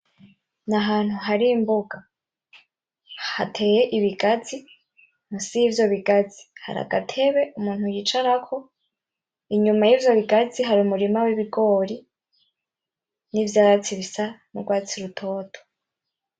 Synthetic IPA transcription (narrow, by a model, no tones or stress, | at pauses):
naɦaːn̥huɦaɾiːmboɡa | hatʰe̞jeʔiβiɡazi | n̥usivjo̞βiɡaziha̰ɾa̰ɡa̰tʰe̞βe̞ʔumuːnhujiːt͡ʃaɾakʰo̞ | iɲumajiːvjo̞βiɡaziɦaɾiumuɾimawiβiɡo̞ːɾi | nivjaːɾat͡siβisamuɡwaːt͡siɾutʰo̞ːtʰo̥